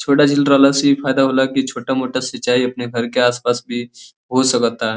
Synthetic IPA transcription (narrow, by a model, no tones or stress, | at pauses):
t͡ʃʰoːʈad͡ʒɪlɾalasifaːjd̪aɦolakit͡ʃʰoːʈamoʈasət͡ʃːaːiɐpneɡʱəɾkeaːspasbʱi | ɦosəkt̪aɦɛ